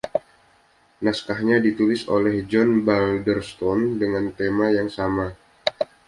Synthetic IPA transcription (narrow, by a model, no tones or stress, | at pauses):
naskahɲadit̪ulɪso̰lɛhd͡ʒɔnbaldərst̪ɔndəŋant̪emajaŋsama